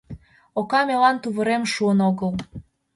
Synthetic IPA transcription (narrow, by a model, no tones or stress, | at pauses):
okɑmelɑnt̪uβəɾemʃuənoɣəl